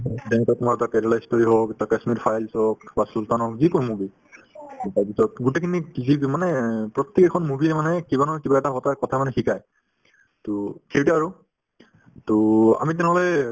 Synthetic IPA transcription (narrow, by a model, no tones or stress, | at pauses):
dɛnɛkatumaɹtatɛɹalajskoɹiɦɔktakasmitfʰajlsɔk̚basultanɦɔkzikɔmubi | tabisɔt̚ɡutekʰinizimanɛpɹɔt̪ːikɛkʰɔnmubiɛmanɛkibanɔkibaɛtaɦɔtakɔtʰamanɛxikaj | tokʰeɹtiaɹu | tʊa̰mitɛnɛɦɔlɛ